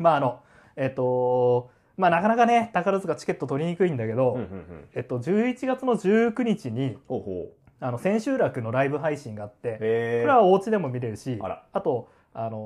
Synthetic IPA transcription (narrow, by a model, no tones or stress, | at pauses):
maːno̞ | e̞t̪ːo̞ | maːnakanakane̞t̪akaɾɯzɨɡat͡ɕi̥ke̞t̪ːot̪o̞ɾʲiɲ̟ikɯ̟ĩnd̪ake̞d̪o̞e̞t̪ːo̞d͡ʑɨːit͡ɕiɡat͡sɨnoʑɨːkɯ̟ɲ̟it͡ɕiɲ̟ioo | ano̞sẽ̞ɰ̃ɕɨːɾakɯ̟no̞ɾaibɯ̟ɦaiɕĩŋɡaːt̪ːe̞soɾeβao̞ːt͡ɕid̪e̞mo̞mʲiɾe̞ɾɯ̟ɕiat̪o̞ | ano̞